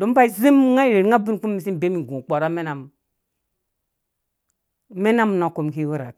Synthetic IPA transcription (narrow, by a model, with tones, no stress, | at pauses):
do˨˦m˦ba˦i˦zi˦m˦ŋa˦˨ɾe˨ɾŋa˦bi˦n˨ku˦mːi˨s̬i˦n˨be˦mi˨ɡũ˨k͡pa˨ɾa˦me˦na˨m˨ | me˦na˦m˨na˨ko˨mki˦wu˦ɾa̰˨k̚